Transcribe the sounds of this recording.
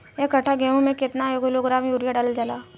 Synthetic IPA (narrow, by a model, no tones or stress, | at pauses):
jekɐʈʰaɡeːɦũmẽkɪt̪najoɡʊloɡɾaːmjuːɾijaɖald͡ʒalaː